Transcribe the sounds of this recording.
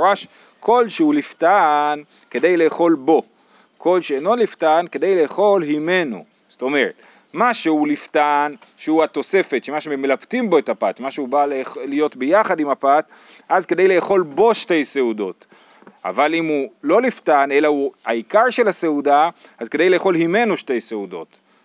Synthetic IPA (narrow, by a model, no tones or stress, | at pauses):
ʁaʃ | kʰo̞lʃeuliftan | ke̞d̪e̞jle̞ːχo̞lbo̞ | ko̞lʃeenoliftanked̪e̞jle̞ːχo̞lhime̞nṵ | z̥to̞me̞ʁet̪ | maʃeuliftanʃehuat̪o̞se̞fetʃemaʃememːelaptimbo̞etapat̪maʃeubalelijo̞tbejaχad̪imapat | ʔazke̞d̪ejleːχo̞lbo̞ʃte̞jse̞udo̞t | a̰valimulo̞liftane̞lauaikaʁʃe̞lase̞uda | azkede̞jleːχo̞lhime̞nuʃte̞jseudo̞̰t